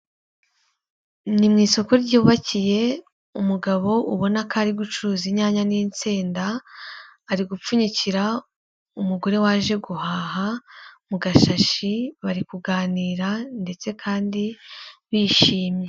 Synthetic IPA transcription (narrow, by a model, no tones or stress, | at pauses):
nimŋiːso̞ko̞ɾɟuːβacije̞ | umuɡaβo̞uβo̞nakaɾiɡut͡ʃuɾuːziɲaːɲanint͡siːndaː | ɾiɡup͡fuɲiciɾa | umuɡo̞ɾe̞waːʒe̞ɡuhaːɦamuɡaʃaʃiβaɾikuɡaːniːɾande̞t͡se̞kʰaːndiβiːʃiːmɲe̞